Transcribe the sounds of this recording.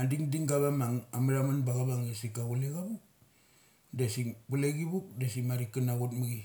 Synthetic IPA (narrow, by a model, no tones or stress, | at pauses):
andiŋdiŋɡaβamaŋamaɾamanbaɡaβaŋdesikaɡuleɡabuk̚ | desibuleɡibuk̚desimaɾikinaɡutmuɡi